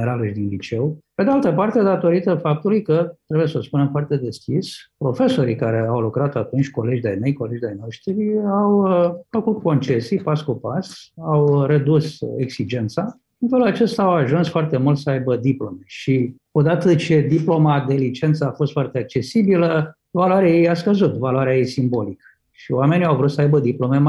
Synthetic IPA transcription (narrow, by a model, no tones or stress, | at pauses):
eɾaləʃid̪inlit͡ʃe̞wpe̞d̪ealt̪əpart̪e̞d̪at̪o̞ɾit̪əfap̚t̪ulujkət̪ɾebuje̞səspune̞mfoart̪e̞d̪e̞skʲispɾo̞fe̞so̞ɾikaɾe̞awlukɾat̪at̪unt͡ʃʲko̞le̞d͡ʒd̪ajnejko̞led͡ʒid̪ajno̞ʃt̪ɾiawfəkut̪ko̞nt͡ʃe̞sijpaskupasawred̪useksid͡ʒe̞nt̪sa | infelulat͡ʃe̞st̪aːawaʒunsfoart̪e̞mult̪səajbəd̪iplo̞me̞ʃi | o̞d̪at̪ət͡ʃe̞d̪iplo̞mad̪e̞lit͡ʃe̞nt̪səafo̞st̪foart̪e̞ak̚t͡ʃe̞sibilə | valoaɾeajejaskəzut̪valoaɾeajejsimbo̞likə | ʃioame̞niawvɾut̪səajbəd̪iplo̞me̞